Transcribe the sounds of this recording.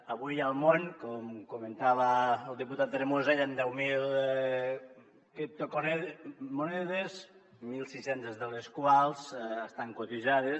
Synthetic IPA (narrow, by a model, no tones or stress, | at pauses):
əβujalˠmoŋkɔmkument̪aβaːlˠd̪iput̪at̪̚ːɾemozajand̪ɛwmil | ket̪oko | monɛðez | milˠsisent̪ezðəleskwalˠzəst̪aŋkot̪iʒaðe